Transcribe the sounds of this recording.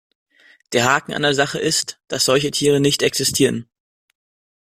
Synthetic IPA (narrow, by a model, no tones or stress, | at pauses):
d̥eːɐɦaːkŋ̩ʔa̰ndeɐzaχəʔɪstd̥asz̥ɔlçətʰiːʁ̞ənɪçtɛksɪstʰiːʁən